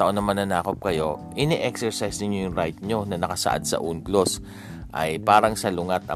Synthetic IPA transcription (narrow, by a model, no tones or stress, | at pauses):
t̪ɐʔonɐmanːɐnaːkop̚kɐjo̞ʔɪnɛʔɛksɛɹsajsnɪɲːojʊŋɾajt̪̚ɲo̞nɐnɐkɐsɐ̰ʔa̰d̪sɐ̰ʔuːnɡlos | ʔɐ̰jpaːɾɐŋsɐlʊŋat̪ɐ̰